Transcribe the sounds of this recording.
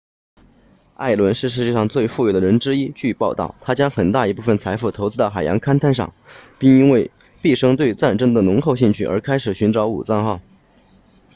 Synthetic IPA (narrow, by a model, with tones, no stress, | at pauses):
a̰˥˩ɪlwə˧˥nʂɻ̩˥˧ʂ̬ɻ̩˥˧t͡ɕɛ˥˧ʂɑ˥˧ŋt͡swe˥˧ɪfu˥˩jo˨˩d̪ə˩ɻə˧˥nʈ͡ʂɻ̩˥i˥t͡ɕy˥˧pɑ˥˧ʊt̪ɑ̰˥˩ʊt̪ʰa˥t͡ɕjɑ˥ŋxə˨˩nt̪a˥˩i˧˥pu˥˩fə˨˩nt͡sʰa˧˥ɪfu˥˩t̪ʰo˧˥ʊt͡sɹ̩˥d̪xa˨˩ɪjɑ˧˥ŋkʰa˥nt̪ʰa˥˧nʂɑ̰˥˩ŋpi˥˩ŋi˥nwe˥˧ɪ | pi˥˩ʂɤ˥ŋt̪we˥˧ɪt͡sa˥˩nʈ͡ʂə˥nd̪ə˨nʊ˧˥ŋxo˥˧ʊɕi˥˧ŋt͡ɕʰy˥˩ʔə̰˞˧˥kʰa˥ɪʂɻ̩˨˩ɕy˧˥nʈ͡ʂɑ˧˥ʊṵ˨˩t͡sɑ˥˧ŋxɑ˥˩ʊ